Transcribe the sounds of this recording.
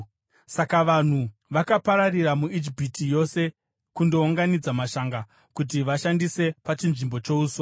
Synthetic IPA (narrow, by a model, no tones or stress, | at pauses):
sakaʋan̤uʋakapaɾariɾamuid͡ʒipitʰijo̞se̞ | kundo̞uŋɡanid͡zamaʃaːŋɡa | kut̬iʋaʃandise̞pat͡ʃinʐimbo̞t͡ʃo̞uːso